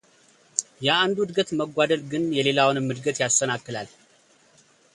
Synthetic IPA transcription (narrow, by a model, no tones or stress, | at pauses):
jɛand̪uɨd̪ɡət̪məɡʷːad̪əlɡɨnjɛle̞lawnɨmːɨd̪ɡət̪jast̪ənakːɨlal